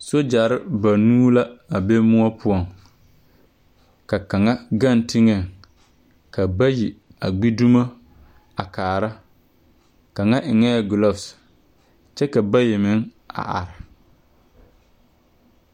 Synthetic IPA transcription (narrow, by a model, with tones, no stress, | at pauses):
so˦d͡ʒa˨ɾɪ˦ba˨nuː˦la˦a˨be˦mʊ˦ɔ˦pʰʊ˦ɔ˨ŋ | ka˨ka˨ŋa˦ɡa˦n˦tɪ˦ŋɛ˨ | ka˨ba˦ji˨a˨ɡ͡bi˦du˦ma˦ | a˨kaː˨ɾa˦ | ka˨ŋa˦ʔɪ˨ŋɛ˦˨ɡʊ˨lɔ˦˨fs | t͡ʃɛ˦ka˨ba˦jɪ˨mɪ˦ŋ | a̰˨ʔa̰˨ɾɪ˨